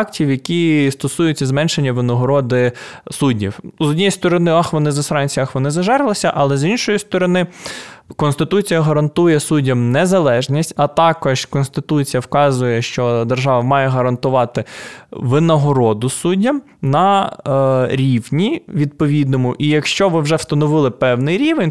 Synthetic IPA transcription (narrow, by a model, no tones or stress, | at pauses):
ɑktʲiwjɐkʲist̪ɔsujʊt͡sʲːɐzmɛnʃenʲːɐʋɪnɔɦɔɾɔd̪ɪsudʲḭwzɔdʲnʲijist̪ɔɾɔnɪɑxʋɔnɪzɐsɾɑnʲt͡sʲiɑxʋɔnɪzɐʒɛɾlˠɪsʲɐʔɐlˠɛzinʃɔjist̪ɔɾɔnɪkɔnst̪ɪt̪ut͡sʲijɐɦɐɾɐnt̪ujɛsudʲːɐmnɛzɐlˠɛʒnʲisʲtʲɐt̪ɑkɔʒ̥kɔnst̪ɪt̪ut͡sʲijɐwkɑzʊjɛʃt͡ʃɔd̪erʒɑʋɐmɑjɛɦɐɾɐnt̪ʊʋɑt̪ɪʋɪnɔɦɔɾɔd̪ʊsudʲːɐm | nɐ | ɾʲiwnʲiʋʲid̪̚pɔʋʲid̪nɔmʊʔijɐkʃt͡ʃɔʋɪwʒɛwst̪ɐnɔʋɪlˠɪpɛwnɪjɾʲiʋenʲ